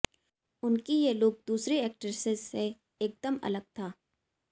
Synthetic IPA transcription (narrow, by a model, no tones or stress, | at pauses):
ʊnkijeloːɡ̚d̪uːsɾeɛːk̚ʈəɾsɪzːe | eːk̚d̪əmɐ̰ləɡ̚t̪ʰaː